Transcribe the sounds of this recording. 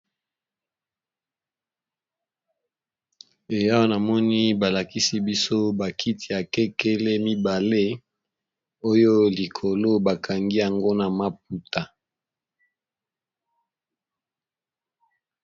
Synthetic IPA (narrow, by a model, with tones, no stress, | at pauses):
e˨ja˦wa˦na˨mɔ˦ni˦ba˨la˨ki˦si˦bi˦so˦ba˨kʰi˦tʰi˨ja˨kɛ˦ke˦le˦mi˦ba˨le˦ | o˦jo˦li˨kʰo˨lo˦ba˨ka˨ŋɡi˦ja˨ŋɡo˦na˨ma˦p̚u˨ta˨